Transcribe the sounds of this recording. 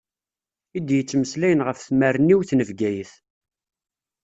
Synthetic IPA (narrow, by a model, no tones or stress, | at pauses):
id̪jət͡sːməslæjənʁəfθmærənːiwθnəvɡæjəθ